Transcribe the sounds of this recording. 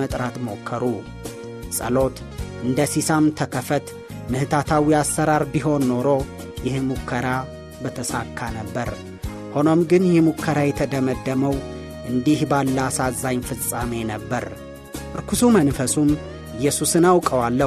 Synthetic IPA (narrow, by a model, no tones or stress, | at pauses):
ət̪ʼɾat̪mo̞kʰːəɾu | sʼə̰lo̞t̪ | ʔɨnd̪əsisamt̪ʰəkʰəfət̪ | mɨhɨt̪ʰat̪ʰawiasːəɾaɾbiɦo̞nːo̞ɾo̞ | jɪhmukʰːəɾa | bət̪ʰəsakʰːanəbːəɾ | ho̞no̞mɡɨnjɛmukʰːəɾajɛt̪ʰəd̪əməd̪ːəməw | ʔɨnd̪ihbalːasazːaɲfɨt͡sʼame̞nəbːəɾ | ʔɨɾkʰusumənfəsum | ɪjːɛsusɨnawkʼəwalːə